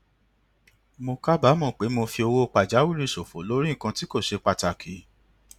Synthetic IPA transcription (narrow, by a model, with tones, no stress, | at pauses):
mo˧ka˦ba˦mɔ̃˦˨k͡pe˨˦mo˧fi˧o˧wo˦˧k͡pa˨d͡ʒa˨˦wu˦ɾi˦˨so˨fo˨˦lo˨˦ɾi˦˨kã˧ti˦ko˦˨ʃe˧k͡pa˧˨ta˨kʰi˨˦